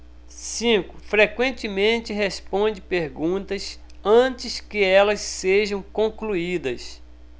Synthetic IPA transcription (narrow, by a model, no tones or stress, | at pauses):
sĩkʊ̥fɾekwẽnt͡ʃɪmẽnt͡ʃɪɦespõnd͡ʒɪpeɾɡũt̪ɐs | ɐ̃t͡ʃɪskɪɛlɐsseʒɐ̃w̃kõkluid̪ɐs